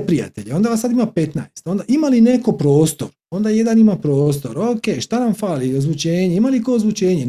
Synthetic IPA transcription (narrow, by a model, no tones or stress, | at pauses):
pɾia̰t̪e̞ʎeo̞nd̪aʋasad̪imape̞t̪najst̪o̞nd̪aʔimaline̞ko̞pɾo̞ːst̪o̞ɾ | ond̪aje̞d̪animapɾo̞ːst̪o̞ɾoke̞ʃt̪anamfaːliozʋut͡ʃe̞ːɲeimalikoozʋut͡ʃe̞ːɲe